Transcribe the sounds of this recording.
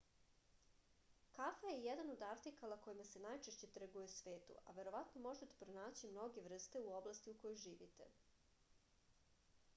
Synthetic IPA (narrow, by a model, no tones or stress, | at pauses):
kafajejed̪anod̪aɾt̪ikalako̞jimase̞najt͡ʃe̞ʃt͡ɕe̞t̪ɾɡujesʋe̞ːt̪ṵʔa̰ʋe̞ɾo̞ʋat̪no̞mo̞ʒet̪e̥pɾonaːt͡ɕimno̞ɡe̞ʋr̩st̪e̞uo̞blast̪iuko̞jojʒiːʋḭt̪e̞